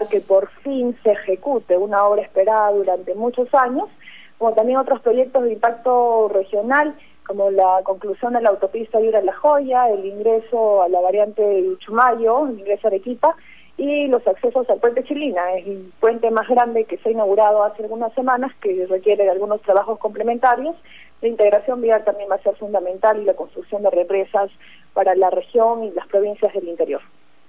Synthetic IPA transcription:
ke̞po̞ɾfinse̞ːxe̞kut̪e̞unao̞βɾaespe̞ɾaðaðuɾant̪e̞mut͡ʃo̞saɲo̞s | ko̞mo̞t̪ambje̞ŋot̪ɾo̞spɾo̞ʝe̞k̚t̪o̞zðimpak̚t̪o̞re̞xjo̞nal | ko̞mo̞lako̞ŋklusjo̞nd̪e̞laːwt̪o̞pist̪ajuɾalaxo̞ʝaeliŋɡɾe̞so̞alaβaɾjant̪e̞ut͡ʃumaʝo̞eliŋɡɾe̞soalekipa | ilo̞sakse̞so̞salpwent̪e̞t͡ʃilinaespwe̞nt̪e̞mazɣɾand̪eke̞seainaɣuɾað̞oasealɣunasːe̞mãnaske̞rekje̞ɾeðalɣuno̞st̪ɾaβaxo̞sko̞mple̞mẽnt̪aɾjo̞s | laint̪e̞ɣɾasjo̞mbialt̪ambje̞nbase̞ɾfund̪amẽ̞nt̪alilako̞nst̪ɾuksjo̞nd̪e̞re̞pɾe̞sas | paɾalare̞xjo̞ŋilaspɾo̞βinsjazðe̞lint̪e̞ɾjo̞ɾ

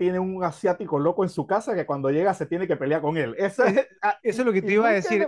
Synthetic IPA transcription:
t̪je̞ne̞uŋasjat̪iko̞lo̞koe̞nsukasake̞kwand̪o̞ʝe̞ɣaset̪je̞neke̞pe̞leako̞ŋe̞lesoesoezloket̪eiβaðesiɾ

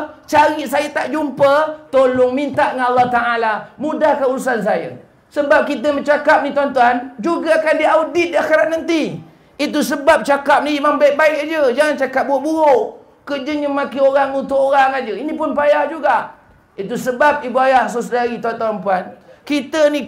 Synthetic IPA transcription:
t͡ʃaɾiʔsajət̪aʔd͡ʒumpət̪olʊŋmint̪aʔŋanalːaht̪aʔalamũdahkauusans̬ajə̰ | səbap̚kit̪̬əmət͡ʃakap̚nit̪uant̪uand͡ʒuɡaakandiawdɪt̪̚diaxeɾat̪̚nant̪i | it̪̬usəbap̚t͡ʃakap̚niimambaik̚baɪkad͡ʒəd͡ʒaŋant͡ʃakap̚buoʔbuoʔ | kəd͡ʒəɲəmakioɾaŋunt̪ʊʔoɾaŋad͡ʒəinĩpʊnpajahd͡ʒuɡaʔ | it̪usəbap̚ibuajahs̬əs̬daɾit̪uant̪uanmpuankit̪əni

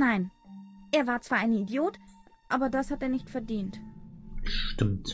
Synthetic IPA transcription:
naɪnʔeːɐvaːɐt͡sv̥aːɐʔaɪnəidjoːtʔaːbɐdashateːɐnɪçtfɛɐdiːnt | ʃtɪmt

